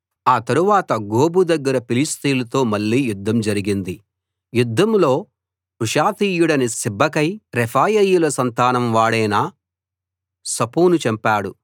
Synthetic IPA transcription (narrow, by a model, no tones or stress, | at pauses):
aːt̪ɐɾuʋaːt̪ɐɡoːbud̪ɐɡːɐɾɐpilist̪iːlɐt̪o̞ːmɐɭːiːjud̪ʱːɐmd͡ʒɐɾiɡind̪i | jud̪ʱːɐmlo̞ː | ɾuʂaːt̪iːjuɽɐnisibʱːɐkɐjɾɛpʰaːjɐjulɐsɐnt̪aːnɐmʋaːɽɐjnɐ | sɐpuːnut͡ʃɐmpaːɽu